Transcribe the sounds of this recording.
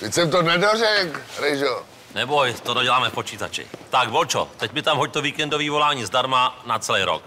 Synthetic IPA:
vicsɛmt̪onɛdorɛkɾɛjʒo | nɛbojt̪odoɟɛlaːmɛfpot͡ʃiːt̪at͡ʃɪ̰t̪aɡbolt͡ʃo̰t̪ɛcmɪt̪amɦoc̚t̪oviːkɛndoviːvo̞laːɲiːzdaɾmanat͡sɛlɛjɾo̰k

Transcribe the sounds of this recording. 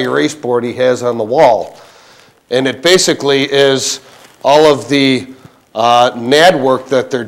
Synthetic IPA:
ɹeɪsb̥ɔɹɾ̚iɨz̃n̩ðəwɔlˠ | ʔɨ̃nɨt̚b̥eɪsɨkliʔɪz | ʔɔlˠʌvðɨ | nɛd̚wɜ˞k̚ðɨt̪̚ðə˞

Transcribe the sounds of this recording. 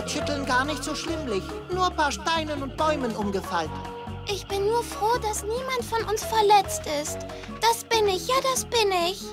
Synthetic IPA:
ʃɪtl̩nɡaːɐnɪçtz̥oːʃlɪmlɪç | nuːɐpʰaːɐʃtaɪnənʊnt̚b̥ɔʏmənʔʊmɡəfa̰lt | ʔɪçb̥ɪnːuːɐfʁ̥oːdasniːmantfɔnʔʊnsfɛɐlɛt͡stɪst | d̥asb̥ɪnɪçjaːdasb̥ɪnɪç

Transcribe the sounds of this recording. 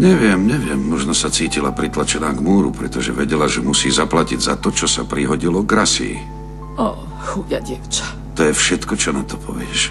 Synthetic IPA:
ɲɛʋɪɛmɲɛʋɪɛmːɔʒnɔsat͡siːcilapɾit̪lat͡ʃɛnaːɡmuːɾṵpɾɛt̪ɔʒɛ̰ʋɛɟɛlaʒɛmusiːzaplaciɟza̰t̪ɔt͡ʃɔsapɾiɦɔɟilɔɡɾasḭ | ɔ | xujaɟɪɛft͡ʃḁ | t̪ɔjɛfʃɛt̪kɔt͡ʃɔnat̪ɔ̥pʰɔʋɪɛʃ

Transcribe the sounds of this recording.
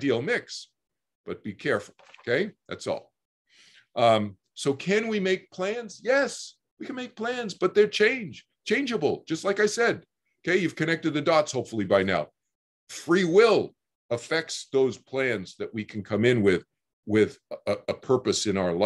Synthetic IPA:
dilˠmɪks | b̥ʌt̚b̥ikʰɛɹfl̩ˠokʰeɪðæ̰tsɔ̰lˠ | ʔʌ | soʊkʰɨ̃nwimeɪk̚pʰl̥æ̃nz̥jɛs | wikʰɨ̃nmeɪk̚pʰl̥æ̃nzb̥ʌt̪̚ðə˞t͡ʃʰẽɪ̃nd͡ʒ | t͡ʃʰẽɪ̃nd͡ʒɨbl̩ˠd͡ʒ̥ʌstˡlaɪkaɪsɛd̚ | oʊkʰeɪjʉv̥kʰɨnɛk̚tɨd̪̚ðɨdɔtshoʊpfl̩ˠibaɪna̰ʊ | fɹiwɪlˠ | əfɛk̚tsðoʊz̥pʰl̥æ̃nzðɨʔ̚wikʰn̩kʰʌ̃mɪ̃nwɪð | wɪðəpʰɜ˞pɨsɨ̃ñaʊə˞la

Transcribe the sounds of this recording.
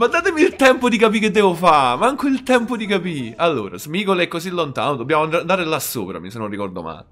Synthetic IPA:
bad̪aːt̪emiːlt̪ɛmpod̪ikap̬ikːed̪ːɛːvofamaŋkoilt̪ɛmpod̪ikapialːoːɾa̰zmikolɛkːosilːont̪a̰ːnod̪obːjaːmoand̪and̪aːɾelasːo̰ːpɾa̰misenːonrːikɔrd̪o̰ma̰j

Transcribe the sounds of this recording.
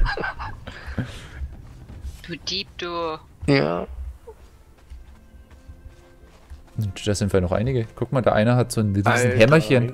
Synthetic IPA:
d̥uːd̥iːp̚d̥u | ja | ʔnd̥aːz̥ɪntfɪnɔχʔa̰ɪnɪɡəkʰʊk̚maːldeːɐʔa̰ɪnəɦatz̥oːnɾiːzn̩ɦɛmɐçən

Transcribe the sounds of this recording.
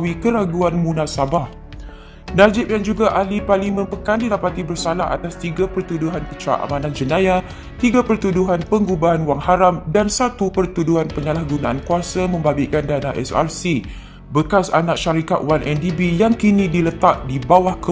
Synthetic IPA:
wikəɾaɡuanmũnãsabah | nad͡ʒɪp̚daŋd͡ʒuɡaʔalipalimə̃mpəkandilapat̪ibərsalaɦa̰t̪ast̪iɡapərt̪uduɦankət͡ʃɾa̰ʔa̰mãnãnd͡ʒənãja | t̪iɡapərt̪uduɦanpəŋɡubaɦanwaŋhaɾamdansat̪upərt̪uduɦanpəɲalahɡunãʔankuasamə̃mbabikandanaʔɛ̰sa̰rsi | bəkasanãkʃaɾika̰t̪̚wanʔɛndibijaŋkinĩdilət̪aʔ̚dibawahkə

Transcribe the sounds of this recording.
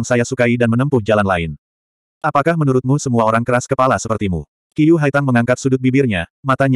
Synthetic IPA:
ŋsajasukaidanmənəmpʊhd͡ʒalanla̰ɪn | ʔapakahmənuɾʊt̪̚musəmuaoɾaŋkəɾaskəpalasəpərt̪imṵ | kijuɦait̪aŋməŋaŋkat̪̚sudʊt̪̚bibɪrɲamat̪aɲ

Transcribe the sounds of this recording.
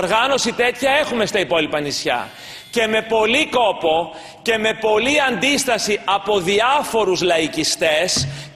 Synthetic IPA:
ɾɣɐno̞sit̪e̞t̪çɐe̞xume̞st̪ɐipo̞lipɐnisçɐ̰ | ce̞me̞po̞liko̞po̞ | ce̞me̞po̞liɐnd̪ist̪ɐsiɐpo̞ðiɐfo̞ɾuzlɐicist̪e̞s

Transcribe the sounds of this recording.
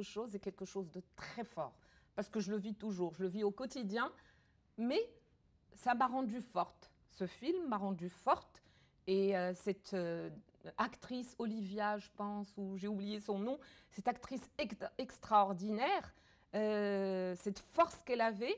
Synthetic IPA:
əʃozɛkʲɛlkəʃozd̪ət̪χɛfɔːʁ | paʁsə̥kəʒələvit̪uʒuːʁʒələviokɔt̪id̪jɛ̃ | mɛ | samaʁɑ̃d̪yfɔʁt̪ | səfilmːaʁɑ̃d̪yfɔʁt̪ | eøsɛt̪ø | akt̪χisɔlivjaʒəpɑ̃suʒeublijesɔ̃nɔ̃sɛt̪ak̚t̪χisɛɛkst̪χaɔʁd̪inɛʁ | ø | sɛt̪fɔʁskɛlavɛ

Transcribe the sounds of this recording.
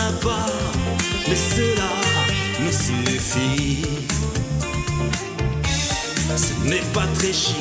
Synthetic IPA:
aba | mɛsəlanusyfi | sənɛpat̪χɛʃ

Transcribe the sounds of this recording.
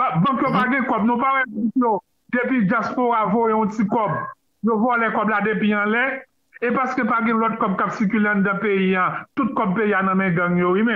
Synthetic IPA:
babãkjopaɡɛ̃kɔb̚nũpaɣɛbãkjo | d̪epid͡ʒjaspoɣavojeɔ̃tikɔb | jovɔlɛkɔblad̪epiãlɛ | epaskøpaɡɛ̃lɔt̚kɔb̚kapsikyleãd̪ãpeijãt̪ut̚kɔb̚peijanɐ̃mɛ̃ɡɐ̃ŋjowimɛ̃

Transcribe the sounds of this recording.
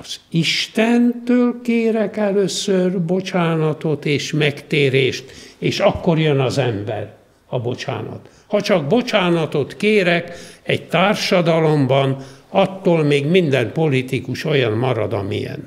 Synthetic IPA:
ɒz̥iʃt̪ɛnt̪øːlkeːɾɛkɛløːsørbo̞t͡ʃaːnɒt̪o̞t̪eːʃmɛkt̪eːɾeːʃt̪eːʃɒkːorjønɒzɛmbɛ̰r | ɒbo̞t͡ʃa̰ːnɒ̰t̪ | hɒt͡ʃɒɡ̚bo̞t͡ʃaːnɒt̪o̞t̪keːɾɛkɛɟt̪aːrʃɒd̪ɒlo̞mbɒnɒt̪ːoːlmeːɡmind̪ɛmpo̞lit̪ikuʃojɒnmɒɾɒ̰d̪ɒ̰mḭjɛ̰n

